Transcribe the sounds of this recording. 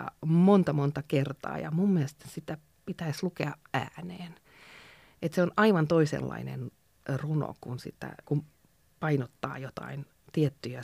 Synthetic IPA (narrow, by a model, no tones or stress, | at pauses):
ɑ̰mont̪ɑmont̪ɑkert̪ɑ̰ːjɑmumːiest̪sit̪æ | pit̪æislukeɑæ̰ːneːn | et̪seonɑiʋɑnt̪oisḛlːɑ̰inḛn | runo̰kunsḭt̪ːæ̰kum | pɑinot̪ːɑ̰ːjot̪ɑ̰in | t̪iet̪ːyjæ